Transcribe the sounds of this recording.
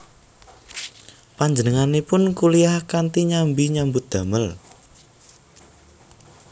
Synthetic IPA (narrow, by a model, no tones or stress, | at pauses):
paɲd͡ʒənəŋanepʊnkuliahkant̪iɲambiɲambʊt̪̚d̪̥ä̤məl